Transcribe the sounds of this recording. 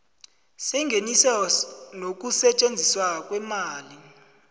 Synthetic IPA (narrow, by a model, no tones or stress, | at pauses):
sɛŋɡʱenisanok̬ʼusɛt͡ʃʼend͡zʱiswak̬ʼwɛmaːli